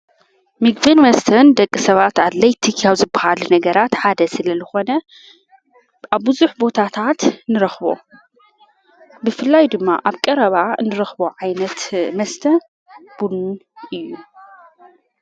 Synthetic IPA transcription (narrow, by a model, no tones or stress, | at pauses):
mɨɡbɨnmɐst̪ʰɐnd̪ɐkʼːisɐβat̪ad̪lɐjt̪ʰikʰjawzɨbɐhalunɐɡɐɾat̪ħad̪ɐsɨlɐzɨxo̞nɐ | aβːɨzuħbo̞t̪ʰat̪ʰat̪nɨɾɐxβo̞̰ | bɨfɨlːajd̪ɨmːa̰ʔaβkʼɐɾɐβaɨnɨɾɐxboʕajnɐt̪mɐst̪ʰɐ | b̥unʔɨjːu